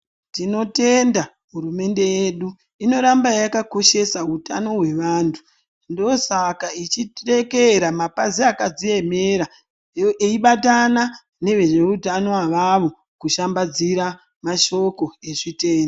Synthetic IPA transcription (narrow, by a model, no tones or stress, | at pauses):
tino̞te̞nda | ɦuɾume̞nde̞jeɗu | ino̞ɾambajakako̞ʃe̞sautano̞ɦwe̞ʋaːntʰu̥ | ndo̞sakait͡ʃire̞keɾamapaziakad͡zie̞me̞ɾa | eiɓatana | ne̞ʋe̞ʐe̞utano̞aʋaʋo̞ | kuʃambad͡ziɾa | maʃo̞ko̞e̞ʐite̞ːndo